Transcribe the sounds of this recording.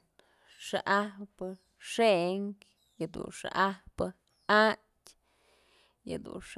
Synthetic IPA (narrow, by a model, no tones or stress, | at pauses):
ʂaʔahpɨ | ʂeŋk | jɨd̪ṵnʂa̰ʔahpɨ | a | tʲ | jɨ̰d̪ṵnʂ